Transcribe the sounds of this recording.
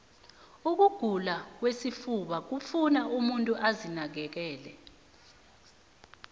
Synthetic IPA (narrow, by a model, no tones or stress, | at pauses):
uk̬uɡ̥ʱulak̬wesifuɓak̬ufunaʔumuntʼuʔazinak̬ɛk̬ɛːlɛ